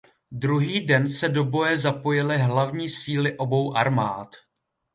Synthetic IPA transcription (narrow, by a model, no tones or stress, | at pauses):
dɾuɦiːdɛnsɛdo̞bo̞jɛzapo̞jɪlɪɦlavɲiːsiːlɪʔo̞bo̞wʔaɾmaːt̪